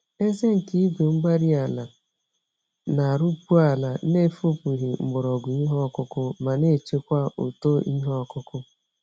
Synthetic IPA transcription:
e˦ze˦ŋ̩˨ki˦i˦ɡʷe˨ŋ͡m̩˦ɡ͡ba˦ɾi˦a˨la˨ | na˨a˨ɾu˦pu˦a˨la˨ne˦fu˦pu˨ɦi˨ŋ͡m̩˨ɡ͡bʊ˨ɾɔ˨ɡʷʊ˨i˦ɦɔ˦˨kʊ˦kʊ˦ma˨ne˦˨t͡ʃe˦kʷa˦o˨to˦i˦ɦɔ˦ɔ˦˨kʊ˦kʊ˦

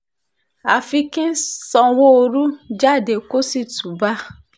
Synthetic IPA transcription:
a˨fi˧kĩ˦sɔ̃˧wo˦o˧ɾu˦d͡ʒa˦˨de˨ko˦si˦˨tu˨ba˦

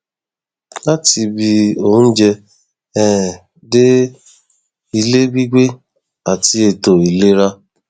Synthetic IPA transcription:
a˦ti˨bi˨o˨n̩˦d͡ʒe˧ | ɛ˦˨ | de˦ | i˨le˦bi˦ɡʷe˦ | a˨ti˦e˨to˨i˨le˦ɾa˦

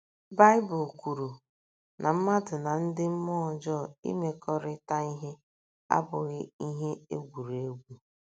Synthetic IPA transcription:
ba˦jɪ˦bʊ˨lkʷu˨ɾu˨ | nʔa˨m̩˦ma˦dʊ˨na˨n̩˦dɪ˦m̩˦mɔ˦˨d͡ʒɔ˦˨ḭ˦me˦kɔ˦ɾɪ˦ta˦i˦ɦe˦ | a̰˦bʊ˨ɣɪ˦i˦ɦe˦e˦ɡʷu˨ɾe˦ɡʷu˨

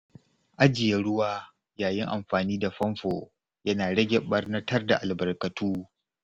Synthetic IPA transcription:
ʔa˦d͡ʒɪ˨jɛ˦ɽʊ˦waː˦ | jaː˨jɪ˦ŋʔa˨mɸaː˨niː˦da˨ɸɐ˦mɸo˨ | jɐ˦naː˨ɽɐ˦ɡʲɛ˨ɓɐ˦rnɐ˦tʰɐ˦rda˨ʔa˨lbɐ˨rkɐ˨tʰuː˦

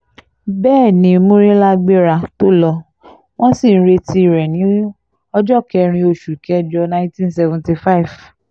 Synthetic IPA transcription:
bɛː˦˨nĩ˨˧˦mũ˦ɾĩ˦la˦ɡ͡be˦ɾa˧to˦lɔ˧ | w̃ɔ̃˦si˦˨n̩˦ɾe˧ti˧˦i˨ɾɛ˨nĩ˨˦ | ɔ˧d͡ʒɔ˦˨kɛ˧ɾ̃ĩ˧o˧˨ʃu˨kɛ˧d͡ʒɔ˧nã˦ĩ˦tĩ˦sɛ˧vũ˨nti˧fa˦i˨v

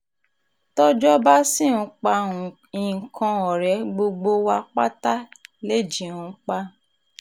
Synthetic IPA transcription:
tɔ˦d͡ʒɔ˦ba˦si˦˨ũ˧˦k͡pã˧˨ | i˨kʰã˧ɔ˨ɾɛ˨˦ɡ͡bo˧ɡ͡bo˧wa˧k͡pa̰˦ta˦le˦˨d͡ʒi˨ũ˧˦k͡pa˧

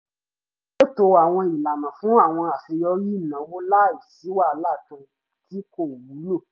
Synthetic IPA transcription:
o˦to˧˨a˨w̃ɔ̃˧i˨la˨nã˨fũ˨˦a˦˨w̃ɔ̃˧a˨fi˧jɔ˧ji˦˨nã˨˦wo˦la˦˨i˨si˨˦wa˦˨˦la˦˨tũ˧ | ti˨˦ko˦˨wu˨˦lo˦˨

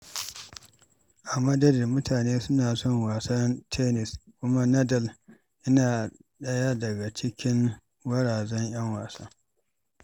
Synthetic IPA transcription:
ʔa˨mɐ˦dɐ˦dɪ˨rmʊ˦taː˨neː˦sʊ˦naː˨sɔ˦˨ŋwaː˨sɐ˦ntʰe˦nɪ˨skʷʊ˦ma˦nɐ˦dɐ˦˨l | ʔɪ˦naː˨ɗɐ˦ja˦dɐ˨ɡa˨t͡ʃɪ˦kʲɪ˦ŋ | wɐ˦ɽaː˨zɐ˦ɲj̰ɐ˦ŋwaː˨sɐ˦ŋ

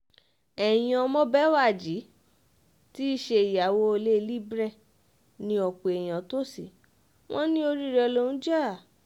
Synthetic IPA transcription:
ɛ˨j̃ã˧mɔ̃˦bɛ˦wa˦˨d͡ʒi˨˦ | ti˦i˦ʃe˧i˨ja˨wo˧˦˧le˦˧li˦bɾɛ˦˨ | nĩ˧ɔ˨k͡po˨e˨j̃ã˨to˦si˦˨ | wʔɔ̃˦nĩ˦o˧ɾi˦˨ɾɛ˧lo˧ñ̩˦d͡ʒa˦˨

